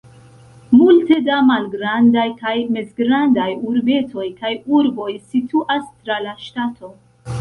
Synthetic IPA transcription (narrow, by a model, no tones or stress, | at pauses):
multe̞damalɡɾandajkajme̞zɡɾandajuɾbe̞to̞jkajuɾbo̞jsitʰuʔastɾalaʃtatʰo̞